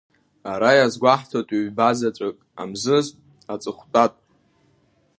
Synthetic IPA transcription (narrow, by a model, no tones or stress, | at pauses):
aɾajazɡʷaħtʰatʼiɥbazat͡sʷʼɨkʼa̰mzɨzʼ | at͡sʼɨχʷtʼatʼ